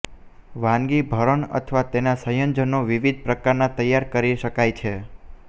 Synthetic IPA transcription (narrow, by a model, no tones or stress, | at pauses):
ʋãŋɡibʱəɾəɳə̰t̪ʰʋat̪enasə̃jənd͡ʒənoʋiʋid̪̚ʱpɾəkaɾnat̪əjːaɾkəɾiʃəkajt͡ʃʰe